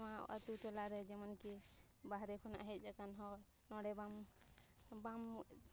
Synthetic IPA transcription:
maa̰t̪uʈɔlaɾɛd͡ʒɛmanki | baɦɾɛkʰɔna̰ʔɦɛt̪̚ˀd͡ʒakanɦɔ | nɔɽɛbam | bam

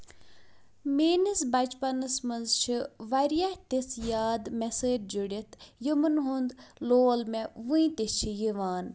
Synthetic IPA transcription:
meːnɨsbɐt͡ʃpɐnɨsmɐnzt͡ʃʰiʋɐɾjaht̪isjaːd̪meseːɾ̚d͡ʒuɽit̪jimɨnɦund̪loːlmeʋuĩt̪ist͡ʃʰijiʋaːn

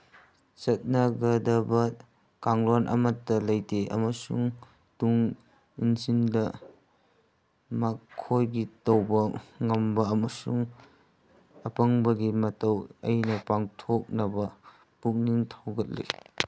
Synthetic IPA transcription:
t͡ʃɐt̚nɐɡɐdɐbɐ | kaŋɾonʔɐ̰mɐtːɐlɐjtʰeʔɐ̰mɐsṵŋ | tuŋ | insindɐ | makʰːojɡitɐwbɐŋɐmbɐɐmɐsuŋ | ɐpɐŋbɐɡimɐtɐwɐ̰jnɐpaŋtʰok̚nɐbɐ | puk̚niŋtʰawɡɐt̚lḛj

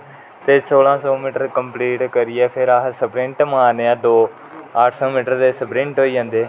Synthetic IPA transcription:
t̪eːsoːlãːsɔːmiːʈəɾkəmpliːʈkəɾɪɛːpʰɪɾaːsəbɾɪ̃ɳʈmaːneːãːd̪oː | aːʈʰsɔːmiːʈəɾd̪eːsəbɾɪ̃ɳʈɦoːiːd͡ʒãːnd̪eː

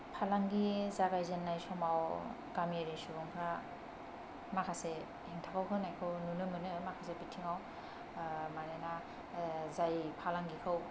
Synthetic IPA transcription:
pʰalaŋɡizaɡajzenːajsɔmaw | kamaɾisuɡɔŋpʰɾa | makʰase | hiŋtʰakʰawkʰɯnajkʰɯwnunɯmɯnɯmakʰasebitʰiŋaw | majnana | zajpʰalaŋɡikʰɯw

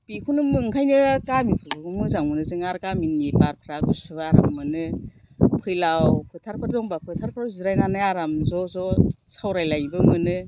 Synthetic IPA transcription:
pikʰunɯmɯŋkʰajnɯkamipʰɯɾbɯɡɔmɯzaŋmɯnɯzɯŋaɾkaminipaɾpʰɾaɡuspʰɯbaaɾa̰mːɯnɯ | pʰɯjlawpʰɯtʰaɾpʰɯɾdɔŋbapʰɯtʰaɾpʰɯɾawziɾajnanɯaɾamzɔzɔ | sawɾajlajbɯmɯnɯ

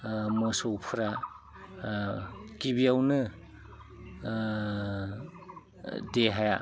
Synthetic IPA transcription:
mɯsowpʰɯɾa | kibiawnɯ | deɦaja

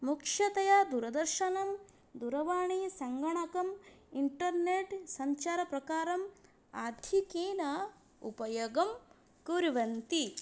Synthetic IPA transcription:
mukʂɐt̪ɐjad̪uɾɐd̪ɐɾʃɐnɐm | d̪uɾɐʋaːɳisɐŋɡɐɳɐkɐmiɳʈɐɾneːʈsɐɲt͡ʃaːɾɐpɾɐkaːɾɐm | aːd̪ʱikiːnɐ | ṵpɐjoɡɐm | kuɾʋɐnt̪i

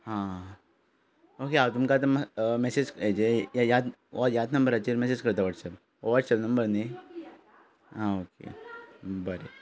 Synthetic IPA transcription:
hã | okeaʋt̪umkat̪̬əmmɛsed͡ʑked͡ʒejajad̪ajad̪nɐmbəɾat͡ɕiɾmɛsed͡ʑkəɾt̪aʋaʈsɛp̚ | ʋaʈsɛpnɐmbəɾni | ɦãokḛ | bəɾe

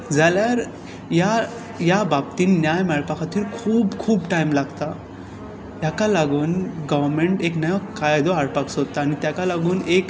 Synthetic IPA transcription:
d͡zaljaɾ | ja | jabab̚t̪iːnnjajmɛɭpakʰat̪iːɾkʰuːbkʰuːbʈajmlaɡt̪a | jakalaɡuːnɡəʋəɾmeɳʈeknajakajd̪oaɽpaksot̪aːñit̪jakalaɡuːnek

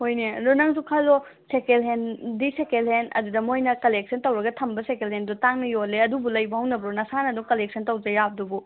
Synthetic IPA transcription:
hojnelonɐŋsukʰalo | sekelɦendisekelhenɐ̰dudɐmojnɐkɐlek̚sʰɐntɐwɾɐɡɐtʰɐmbɐsekelendutaŋnɐjolːeɐdubulɐjbɐhɐwnɐbɾonɐsanɐduŋkɐlek̚sɐntɐwd͡ʒɐjab̚dubu

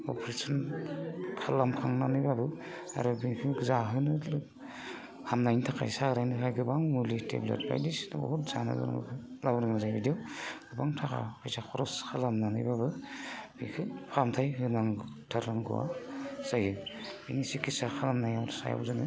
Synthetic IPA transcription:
ɔ̰pʰɾesɔn | kʰalamkʰaŋnanɯjbabɯ | a̰ɾɯbiŋkʰɯɡɯzaɦɯnɯl | hamnajntʰakʰa̰jsaɾajntʰakʰajɡɯbaŋmulitʰḛblḛt̚ba̰jdisnabɔ̰hɔtzanɯ̰ɡɯ̰na̰kʰɯlabɾɯŋmazajbidiɔwɡ̥ɯbaŋtʰakʰa̰hɯjzakʰɔɾɔskʰalamnanɯjbabɯbikʰɯpʰamtʰajɦɯnaŋtʰaɾɾaŋɡɯ̰wa̰sajɯbinisikisakʰalamnajamɾsa̰ja̰bzanɯ

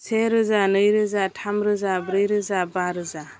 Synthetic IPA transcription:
sʰeɾɯzanɯjɾɯzatʰamɾɯzabɾɯjɾɯzabaɾɯza

